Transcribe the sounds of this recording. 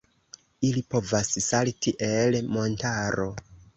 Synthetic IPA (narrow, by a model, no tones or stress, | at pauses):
ilipo̞vassalitiʔelmo̞ntaɾo̞